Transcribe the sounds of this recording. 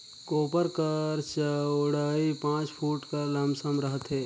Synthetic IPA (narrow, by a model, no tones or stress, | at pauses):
koːpəɾkəɾt͡ʃəʊɽaːipãːt͡ʃpʰuːʈkalə̃msəmɾəɦət̪ɦɛː